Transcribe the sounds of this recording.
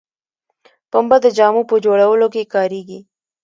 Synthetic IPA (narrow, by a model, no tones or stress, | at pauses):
pəmbad̪əd͡ʒɑːmupəd͡ʒoːɽawəlokekɑːɾiːɡi